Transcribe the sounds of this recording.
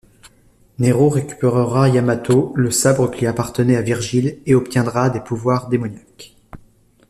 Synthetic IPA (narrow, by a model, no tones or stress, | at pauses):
neʁoʁekʲy̥peʁəʁajamat̪oləsabʁəkʲiapaʁt̪ənɛaviʁʒileɔpt̪jɛ̃d̪ʁad̪epuvwaʁd̪emɔnjak